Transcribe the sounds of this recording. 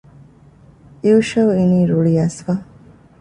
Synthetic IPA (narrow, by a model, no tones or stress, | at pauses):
iuʃɐuiniːɾuɭiɐsfɐ